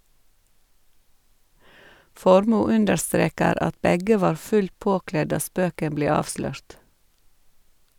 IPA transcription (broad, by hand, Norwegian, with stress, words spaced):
ˈfɔɾmuː ˈʉndəɾˌstɾeːkəɾ ˈɑt ˈbɛɡə ˈʋɑːɾ ˈfʉl ˈpoːˌklɛ ˈdɑː ˈspøːkəm ˈbleː ˈɑːʋslœɹt